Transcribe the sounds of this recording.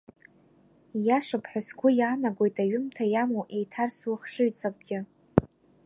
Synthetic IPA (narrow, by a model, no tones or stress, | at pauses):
jaʂapʰħʷᶣasɡʷʊjaːnaɡʷo̞jtʰʼaɥʊmtʰajamowʔejtʰarswχʂɨɥt͡sʼak̚ʷʼɡʲɪ